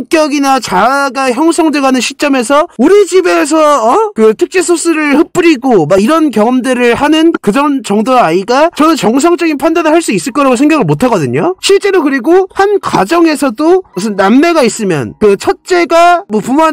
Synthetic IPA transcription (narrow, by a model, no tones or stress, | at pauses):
k͈jʌɡinat͡ɕaɡaçjʌŋsʰʌŋdɯɡanɯnɕʰit͡ɕ͈ʌme̞sʰʌuɾid͡ʑibe̞s̬ʰʌʌkɯtʰɯk̚t͡ɕ͈esʰos͈ɯɾɯɭhɯp͈ɯɾiɡomaiɾʌnkjʌŋʌmdɯɾɯɭhanɯnkɯd͡ʑʌnt͡ɕʌŋdoaiɡat͡ɕʌnɯnt͡ɕʌŋs̬ʰaŋt͡ɕ͈ʌɡinpʰandanɯɭɦaɭs͈uis͈ɯɭk͈ʌɾaɡosʰe̞ŋɡaɡɯɭmotʰaɡʌdɯɲoɕʰiɭt͡ɕ͈e̞ɾokɯɾiɡohankwa̰d͡ʑʌŋe̞sʰʌdosʰɯnnamme̞ɡais͈ɯmjʌ̰nkɯt͡ɕʰʌt̚t͡ɕ͈e̞ɡamwʌpumoan